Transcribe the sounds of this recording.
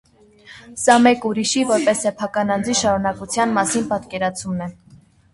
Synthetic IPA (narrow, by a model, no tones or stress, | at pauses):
sɑmɛkuɾiʃivɔɾpɛsːɛpʰɑkɑnɑnd͡ziʃɑɾunɑkut͡sʰjɑnmɑsinpɑt̪kɛɾɑt͡sʰumnɛ